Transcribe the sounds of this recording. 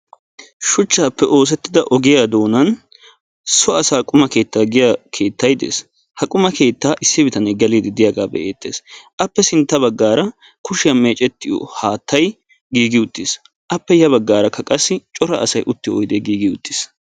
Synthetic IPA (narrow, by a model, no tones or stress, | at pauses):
ʃʊt͡ʃːaːpːɛʔo̞ːs̬ɛt̪ːɪd̪ɐʔɔɡɪjad̪o̞ːnɐn | sɔɐsaːkʼʊmɐke̞ːt̪ːaːɡɪjakʰe̞ːt̪ːɐjd̪ḛːs | hɐkʼʊmɐke̞ːt̪ːaːʔɪsːɪbɪt̪ɐnɛɡɐliːd̪ɪd̪ɪjaːɡaːbɛ̰ʔḛːt̪ːeːsʔɐpːɛsɪnt̪ːɐbɐɡːaːɾɐ | kʊʃɪjɐme̞ːt͡ʃʼɛt̪ːɪjo̰ːhaːt̪ːɐj | ɡiːɡɪʊt̪ːɪs | ʔɐpːɛjɐbɐɡːaːɾɐkʰːɐkʼɐsːɪt͡ʃʼɔɾɐ̰ɐsɐjʔʊt̪ːɪojd̪eːɡiːɡɪʊt̪ːɪ̥s